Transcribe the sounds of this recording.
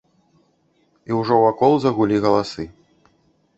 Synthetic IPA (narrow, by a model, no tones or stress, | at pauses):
iwʐɔwakɔlˠzɐɣulʲiɣɐlˠasɨ